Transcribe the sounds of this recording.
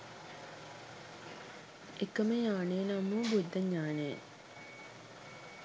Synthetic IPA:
ekəməjaːnejnamːuːbud̪ːɐɲːaːnejḛ

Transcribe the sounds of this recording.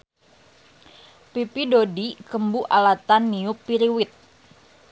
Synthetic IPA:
pipidodikəmbuʔalat̪anːiupiɾiwɪt̪̚

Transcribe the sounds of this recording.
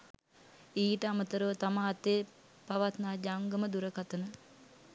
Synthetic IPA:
iːʈəamət̪əɾəʋət̪amaɦːt̪e | paʋat̪naːd͡ʒaŋɡəməd̪uɾəkat̪ənə

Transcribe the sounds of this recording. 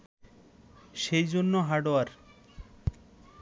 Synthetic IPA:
ʃejd͡ʑonːoɦaɖoaɾ

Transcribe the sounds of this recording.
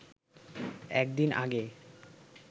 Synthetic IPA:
ɛ̰kd̪ina̰ɡe

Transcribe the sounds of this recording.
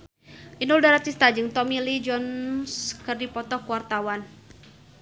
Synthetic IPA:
ʔinuldaɾat̪ist̪ad͡ʒɨŋt̪ɔmilid͡ʒɔnskɨrdipɔt̪ɔhkuwart̪awan

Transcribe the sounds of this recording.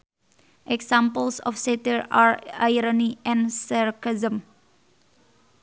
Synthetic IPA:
ʔeksãmpəlsɔ̰fsetəɹaɹaɪɾɔniɛ̃nsaɾkazə̃m

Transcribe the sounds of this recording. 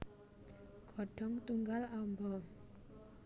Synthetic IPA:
ɡ̥ɔ̤ɖ̥ɔŋt̪uŋɡalambɔ

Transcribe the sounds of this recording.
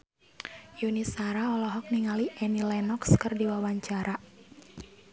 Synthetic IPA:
junisaɾaɔlɔɦɔk̚niŋaliʔɛnilɛnɔkskərdiwawaɲt͡ʃaɾa

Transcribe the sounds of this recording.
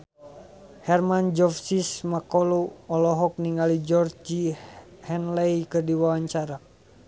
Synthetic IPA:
hɛrmand͡ʒɔfsismakɔloɔlɔɦɔk̚niŋɡalid͡ʒɔrd͡ʒihɛnlejkɨrdiwawaɲt͡ʃaɾa

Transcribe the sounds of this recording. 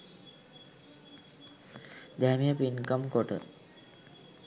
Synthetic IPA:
d̪æmijəpinkamkoʈə̰

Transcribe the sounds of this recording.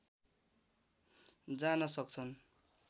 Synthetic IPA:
d͡zanʌsʌk̚t͡sʰʌn

